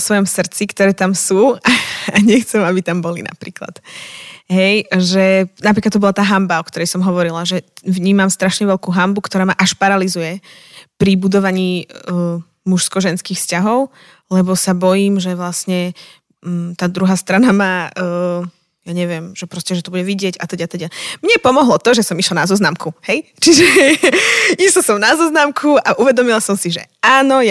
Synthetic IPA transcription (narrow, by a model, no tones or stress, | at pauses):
sʋɔjɔmsr̩t͡sikt̪ɔɾɛːt̪amsuːaaɲɛxt͡sɛmabit̪ambɔlina̰pɾḭːkla̰t̪ | ɦɛjʒɛnapɾiklad̪ɔbɔlat̪aːɦambaɔkt̪ɔɾɛjsɔmɦɔʋɔɾilaʒɛʋɲiːmamst̪ɾaʃɲɛʋɛʎkuːɦambukt̪ɔɾaːmaʔaʃpaɾalizujɛ | pɾibud̪ɔʋaɲiː | muʃskɔʒɛnskiːxfscaɦɔʊ | lɛbɔsabɔjiːmʒɛʋlasɲɛ | t̪aːd̪ɾuɦaːst̪ɾanamaː | jaɲɛʋɪɛmʒ̥ɛpɾɔscɛʒɛt̪ɔbuɟɛʋiɟɪɛɟat̪ɛɟat̪ɛɟamɲɛpɔmɔɦlɔt̪ɔʒɛsɔmiʃlanazɔznamkuhɛjt͡ʃiʒɛɛ | ist̪ɔsɔmnazɔznamkʰuaʔuʋɛd̪ɔmilasɔmsiʒɛ̰aːnɔj